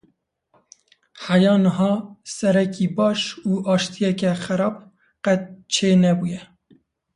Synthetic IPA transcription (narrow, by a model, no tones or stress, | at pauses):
ħajɑːnəɦɑːsɛɾɛkiːbɑːʃuːʔɑːʃt̪ʰijɛkɛxæɾɑːb̚ | qɛt̪̚t͡ʃʰeːnɛbuːjɛ